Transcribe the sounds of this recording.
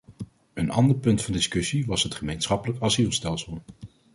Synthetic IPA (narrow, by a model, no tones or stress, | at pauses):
ənɑ̰ndəɹpɵntfɑndɪskɵsiʋɑsɦətχəmejnsχɑpələkɑzilˠstɛlˠsəlˠ